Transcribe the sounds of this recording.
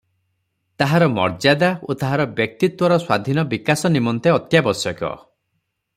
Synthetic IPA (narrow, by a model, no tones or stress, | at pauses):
t̪aɦaɾɔmɔ̰ɾd͡ʒad̪aot̪aɦaɾɔbjɔk̚t̪it̪wɔɾɔswad̪ʱinɔbikasɔnimɔnt̪eɔt̪jabɔsɔkɔ̰